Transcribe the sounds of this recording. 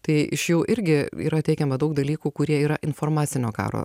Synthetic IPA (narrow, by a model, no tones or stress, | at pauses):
t̪ɐɪɪʃjuːʔɪɾʲɡʲɪḭːɾɐt̪ʲɛɪkʲɛmɐd̪ɐʊk̚d̪ɐlʲiːkuːkʊɾʲiɛiːɾɐʔɪnfoːɾmɑːt̪sʲɪnʲoːkɑ̰ːɾo̰ː